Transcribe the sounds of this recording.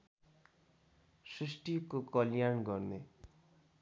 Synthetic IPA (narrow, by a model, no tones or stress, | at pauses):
srisʈikokʌljanɡʌrne